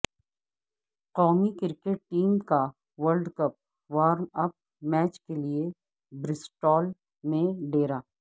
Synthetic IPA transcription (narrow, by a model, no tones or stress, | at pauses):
qɔ̃ːŋikɪɾkeʈ̚ʈiːmka | ʋəɾlɖkɐp̚ | ʋaːɾmɐp̚ | mɛːt͡ʃkelie | bɾɪsʈɔːl | mẽɖeːɾaː